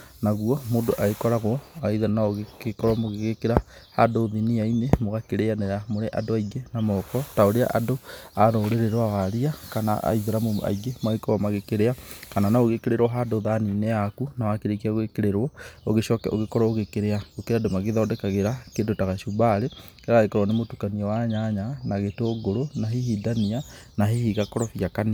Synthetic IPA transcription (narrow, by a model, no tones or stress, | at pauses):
naɣwɔmoːndoʔaɣekɔɾaɣɔaiðanaoɣekɔɾwɔmoɣeɣekeɾahadoðiniainemoɣakeɾeaneɾamoɾeʔa̰doaiɡenamɔkɔtaoɾea̰ʔadoaɾoɾeɾeɾwawaɾiakana̰ʔa̰iðeɾamoa̰iɣemaɣekɔɔmaɣekeɾeakananaoɣekeɾeɾwɔɦadoðaninɛakunawakeɾekiaoɣekeɾeɾwɔoɣeʃɔkɛo̰ɣekɔɾɔoɣekeɾeaɣokeɾeadomaɣeðɔːdɛkaɣeɾakedotaɣaʃubaɾekeɾaaɣekɔɾwɔnemotukaniɛwaɲaɲanaɣeteoɡoɾonaɦihidania | naɦihiɣakɔɾɔfiakani